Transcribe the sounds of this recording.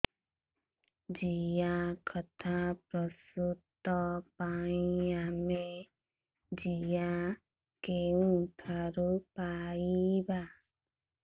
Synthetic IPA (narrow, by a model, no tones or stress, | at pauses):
d͡ʒijakʰɔt̪ʰapɾɔsut̪ːɔpaĩame | d͡ʒija | keũt̪ʰaɾupaiba